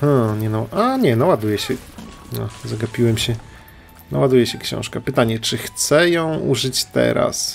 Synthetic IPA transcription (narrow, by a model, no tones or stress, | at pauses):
hãɲɛnawʔaɲɛnawad̪ujɛɕɛnɔzaɡapʲiwɛmɕɛ | nawad̪ujɛɕɛkɕɔ̰̃w̃ʂkapɘt̪aɲɛt͡ʂɘxt̪sɛjɔ̃w̃ṵʐɘt͡ɕt̪ɛ̰ɾa̰s